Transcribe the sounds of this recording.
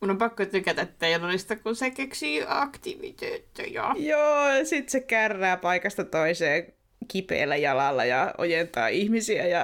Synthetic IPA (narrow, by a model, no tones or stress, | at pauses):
munompɑkːot̪ykæt̪æt̪ːæjɑnolist̪ɑkkunsekeksiːɑkt̪iʋḭt̪øːt̪ːø̰jo̰joːjɑsit̪sekærːæːpɑikɑst̪ɑt̪oiseː | kipḛːlːæjɑlɑlːɑ̰jɑʔo̰jent̪ɑ̰ːʔihmisiæjɑ